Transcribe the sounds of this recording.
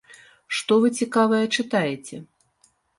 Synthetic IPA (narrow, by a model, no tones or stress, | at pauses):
ʂt̪ɔvɨt͡sʲikavɐjɛt͡ʂɨt̪ajet͡sʲɛ